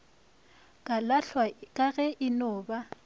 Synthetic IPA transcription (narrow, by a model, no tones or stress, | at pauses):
kʼalaɬwakʼaɣɛʔɪnɔːba